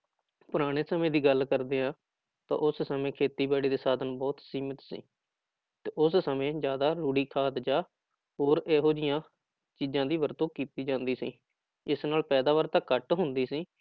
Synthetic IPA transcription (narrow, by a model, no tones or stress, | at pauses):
pʊɾaːɽ̃eːsəmẽːd̪iːɡəlkəɾd̪eːãː | t̪ã̰ːʔʊssəmẽːkʰeːt̪iːbaːɽiːd̪eːsaːd̪ənbɔːt̪siːmɪt̪sḭː | t̪eːʔʊssəmẽːzjaːd̪aːɾuːɽiːkʰaːt̪d͡ʒaː | ɦoːɾeːɦoːd͡ʒɪjãː | t͡ʃiːd͡ʒãːd̪iːʋəɾt̪õːkiːt̪iːd͡ʒãːnd̪iːsḭː | ɪsnaːlpɛːd̪aːʋəɾt̪əkːəʈɦʊnd̪iːsiː